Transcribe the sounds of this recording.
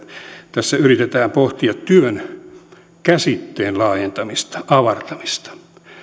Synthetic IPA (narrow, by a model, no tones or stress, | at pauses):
t̪æsːæyrit̪et̪æːmpoht̪iɑt̪tyøn | kæsit̪ːeːnlɑːjent̪ɑmist̪ɑ̥ʔɑʋɑrt̪ɑmist̪ɑ̥